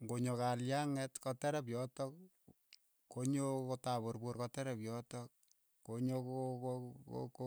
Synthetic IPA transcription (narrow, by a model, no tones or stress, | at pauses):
ŋɡoɲokaljaŋɛtkɔtɛɾɛp̬jɔtɔk̚ | kːoɲokotaβorborkɔtɛɾɛpjɔtɔkː | oɲokokoo̰k